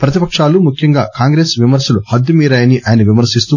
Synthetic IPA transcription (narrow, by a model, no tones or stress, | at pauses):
pɾɐt̪ipɐkʂaːlumukʰjɐŋɡaːkaːŋɡɾe̞ːsʋimɐɾsɐluhɐd̪ːumiːɾaːjɐniʔaːjɐnɐʋimɐɾsist̪u